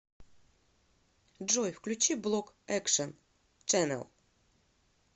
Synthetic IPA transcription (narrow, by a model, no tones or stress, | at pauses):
d͡ʒojfklʲut͡ʃʰiblˠɔkʼ | ɛkʂən | t͡ʃʼɛnɛ̰lˠ